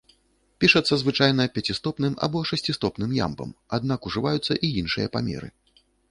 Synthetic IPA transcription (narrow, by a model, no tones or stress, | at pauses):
pʲiʂɐt̪sːɐzvɨt͡ʂajn̪ɐpʲat͡sʲist̪ɔpnɨma̰bɔʂɛsʲt͡sʲist̪ɔpnɨmja̰mpɐ̰mad̪̚nakuʐɨvajut̪sːɐ̰ʔijinʂɨjɐpamʲɛ̰ɾɨ̰